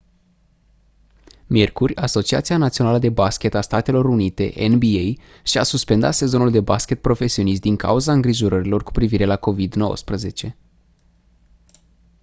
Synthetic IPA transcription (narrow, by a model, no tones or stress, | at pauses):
mje̞rkurʲaso̞t͡ʃiat̪sianat̪sio̞naləd̪ebaskʲe̞t̪ast̪at̪e̞lo̞ɾunit̪e̞̰ʔḛnbiej | ʃiasuspend̪a̰t̪se̞zo̞nuld̪e̞baskʲe̞t̪̚pɾo̞fe̞sio̞nis̬t̪d̪iŋka̰uzaɨŋɡɾiʒo̞ɾəɾilo̞rku̥pɾiviɾe̞lako̞vid̪no̞̰wə̰spɾəze̞t͡ʃe̞